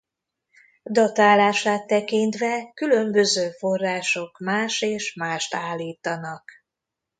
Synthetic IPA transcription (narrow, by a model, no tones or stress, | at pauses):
d̪ɒt̪aːlaːʃaːt̪ːɛkint̪ʋɛkylø̞mbø̞zøːfo̞rːaːʃo̞kmaːʃeːʃmaːʃt̪aːlːiːt̪ɒnɒk